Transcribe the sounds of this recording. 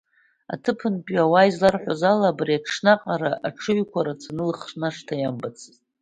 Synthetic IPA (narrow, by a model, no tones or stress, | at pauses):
a̰tʰɨpʰɨnpʼɥawaizlarħʷazalabriaʂnaqʼaɾaʔaʈ͡ʂʰɨɥkʷaɾat͡sʰanɨlχʂnaʂtʰajambat͡sʰɨzʼ